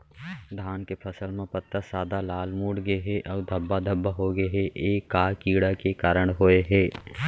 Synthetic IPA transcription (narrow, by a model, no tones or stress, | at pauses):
d̪ʱaːnkepʰəsəlmẽpət̪ːəsaːd̪alaːlmuːɽɡəeɦɛʔɔːd̪ʱəbːad̪ʱəbːaɦoɡəeɦɛʔeːkːaːkiːɽakekaːɾəɽ̃ɦoeɦɛː